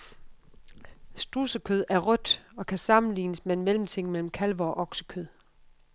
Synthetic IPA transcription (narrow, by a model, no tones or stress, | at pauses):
sd̥usəkʰøðˠæɐʁɔ̽d̥ɒ̽kʰæsɑ̈mn̩lḭːnəsmee̝nmel̰m̩t͡sʰe̝ŋ̰melm̩kʰælʋɒɒʔɒ̽ɡ̥sə̥kʰøð̰ˠ